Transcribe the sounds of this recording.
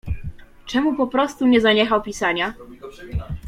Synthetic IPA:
t͡ʂɛmupɔpɾɔst̪uɲɛzaɲɛxawpʲisaɲa

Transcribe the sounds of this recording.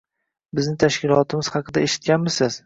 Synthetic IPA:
bɪznɪt̪ʰaʃkʲɪlˠɒt̪ʰɪmɪz̥hɑqʰɨd̪aeʃɪ̥t̪̚kʲanmɪsɪz̥

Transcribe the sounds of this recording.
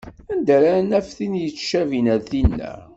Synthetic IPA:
ænd̪æɾænæfθinjət͡sːʃævinæðθinːæ̰

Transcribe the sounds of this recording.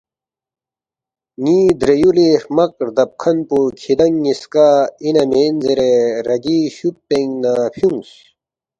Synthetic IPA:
ŋid̪ɾejuleɾmɐkɾd̪ɐp̚kʰɐnpukʰid̪ɐŋːiskaːinɐmeːnzeɾeɾɐɡiɕupːeŋnapʰjuŋs

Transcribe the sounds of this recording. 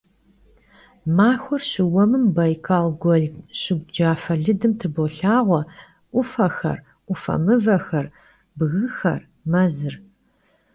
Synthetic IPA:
maːxʷʊrɕɪwɐmɨmbɐjkʰaːlɡʷɔɮɕɪɡ̚ʷd͡ʒaːfɐɮɨdɨmtʰɨboɬaːʁʷɔ | ʔʷʊfɐxɐ̰r | ʔʷʊfɐ̰mɨvɐxɐr | bɣɨxɐ̰r | mɐzɨr

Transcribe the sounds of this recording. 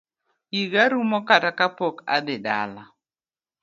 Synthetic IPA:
jiɡaɾumɔkatakapoka̰d̪ɪda̰la

